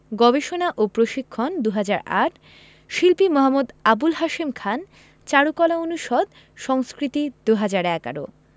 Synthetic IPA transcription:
ɡɔbeʃonaʔopɾoʃikʰːond̪uɦad͡ʑaɾa̰ʈʰ | ʃilpimɔɦamːud̪abulɦaʃimkʰan | t͡ɕaɽukɔlaonuʃɔd̪ | ʃɔŋskɾit̪id̪uɦad͡ʑaɾɛka̰ɾo̰

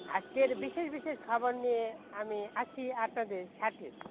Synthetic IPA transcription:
a̰t͡skeɾbiʃeʃbiʃeʃkʰɔboɾnieamiat͡ʃʰiapnad̪eɾʃaʈʰiɾ

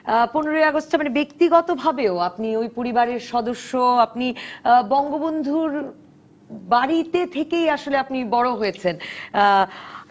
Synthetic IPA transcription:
poneɾojaɡosʈamanebekt̪iɡɔt̪obʱabeoapniojpoɾibaɾeɾʃɔd̪oʃːoapnibɔŋɡobond̪ʱuɾ | baɾit̪et̪ʰekejaʃoleapnibɔɽoɦojet͡ɕʰen

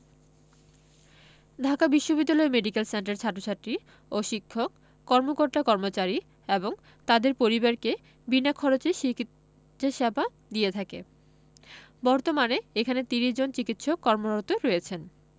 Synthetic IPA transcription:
d̪ʱakabiʃːobid̪ːalɔemeɖikelsenʈeɾt͡ɕʰaʈːot͡ɕʰatɾi | oʃikʰːokː | ɔɾmokoɾt̪akɔɾmot͡ɕaɾi | eboŋ | t̪ad̪eɾpoɾibaɾke | binakʰːɔɾot͡ɕeʃiki | aʃaba | d̪ijet̪ʰakḛ | bɔɾt̪omaneekʰanet̪iɾiʃd͡ʑont͡ɕikit̪ʃokːɔɾmoot̪oɾɔjet͡ɕʰen

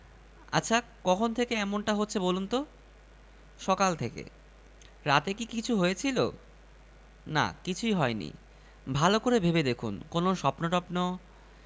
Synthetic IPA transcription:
a̰tːɕʰakɔkʰont̪ʰekeɛmonʈaɦotːɕʰebolunt̪o | ʃɔkalt̪ʰekḛ | ɾat̪ekikit͡ɕʰuɦojet͡ɕʰilo̰ | na̰kit͡ɕʰuiɦɔenḭ | bʱalokoɾebʱebed̪ekʰunkonoʃɔpnoʈɔpno

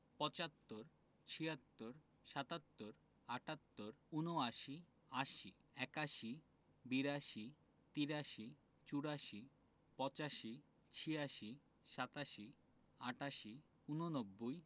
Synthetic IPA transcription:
pɔt͡ɕat̪ːoɾ | t͡ɕʰiat̪ːoɾ | ʃat̪at̪ːoɾ | aʈat̪ːoɾunoaʃi | aʃi | ɛkaʃi | biɾaʃi | t̪iɾaʃi | t͡ɕuɾaʃi | pɔt͡ɕaʃi | t͡ɕʰiaʃi | ʃat̪aʃi | aʈaʃi | unonobːoj

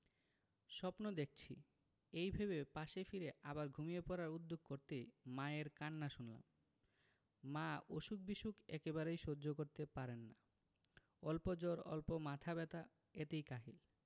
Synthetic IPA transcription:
ʃɔpnod̪ek̚ʰt͡ɕʰi | ejbʱebepaʃefiɾeʔabaɾɡʱumijepɔɾaɾud̪ːoɡ̚koɾt̪ejmaeɾkanːaʃunla̰m | aoʃuk̚biʃukʰɛ̰kebaɾejʃoːd͡ʑokoɾt̪epaɾenːa | ɔlpod͡ʑoɾɔ̰lpomat̪ʰabɛt̪a | et̪ejkaɦil

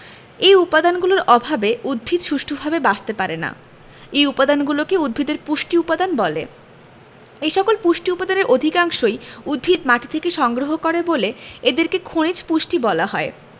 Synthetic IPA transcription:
ejupad̪anɡuloɾʔɔbʱabeud̪̚bʱid̪ʃuʃʈʰobʱabebast̪epaɾena̰ | ejupad̪anɡulokeud̪̚bʱid̪eɾpuʃʈiupad̪anbɔlḛ | ejʃɔkolpuʃʈiupad̪aneɾʔod̪ʱikaŋʃojud̪̚bʱid̪̚maʈi̥t̪ʰekeʃɔŋɡɾoɦokoɾeboleed̪eɾkekʰoñit͡ɕpuʃʈibɔlaɦɔe

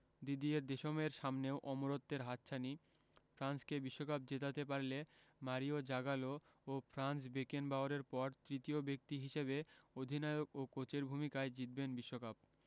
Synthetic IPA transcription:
d̪id̪ieɾd̪eʃomeɾʃamneoʔɔmoɾot̪ːeɾɦat̪ːɕʰani | fɾanskebiʃːokap̚d͡ʑet̪at̪ep̬aɾlemaɾiod͡ʑaɡaloofʰɾans̬bekenbaoɾeɾpɔɾt̪ɾit̪iobek̚t̪iɦiʃebeod̪ʱinaeokokot͡ɕeɾbʱumikaed͡ʑit̪̚benbiʃːokap̚

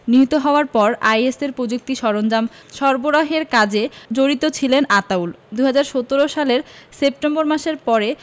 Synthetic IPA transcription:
niɦit̪oɦɔoaɾpɔɾajeseɾpɾod͡ʑuk̚t̪iʃɔɾond͡ʑam | ʃɔɾboɾaɦeɾkad͡ʑed͡ʑoɾit̪ot͡ɕʰilenat̪aul | d̪uɦad͡ʑaɾʃot̪oɾoʃaleɾsep̚ʈemboɾmaʃeɾpɔɾe

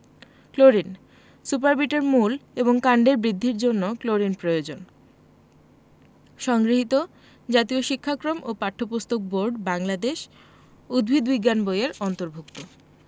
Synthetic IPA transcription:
kloɾin | sup̬aɾbiʈeɾmuleboŋkaɳɖeɾbɾid̪ʱːiɾd͡ʑonːokloɾinpɾojod͡ʑon | ʃɔŋɡɾiɦit̪o | d͡ʑat̪ioʃikʰːakɾomʔopaʈʰːopust̪ok̚boɾɖbaŋlad̪eʃ | ud̪̚bʱid̪biɡːanbojaɾɔnt̪oɾbʱuk̚t̪o

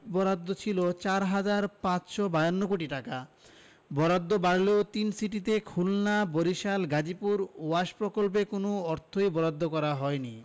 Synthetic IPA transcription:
bɔɾad̪ːot͡ɕʰilot͡ɕaɾɦad͡ʑaɾpãt͡ɕʃɔbajonːokoʈiʈaka | bɔɾad̪ʱːobaɾleot̪insiʈ̬it̪̬ekʰulnaboɾiʃalɡad͡ʑipuɾuaʃpɾokolp̬ekonoɔɾt̪ʰojbɔɾad̪ːokɔɾaɦɔeni

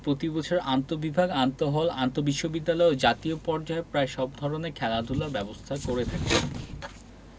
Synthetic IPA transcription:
pɾot̪ibɔt͡ɕʰoɾant̪obibʱaɡant̪oɦɔlant̪obiʃːobid̪ːalɔeod͡ʑat̪iopɔɾd͡ʑaepɾaeʃɔbd̪ʱɔɾonekʰɛlad̪ʱulaɾbɛbost̪ʰakoɾet̪ʰake

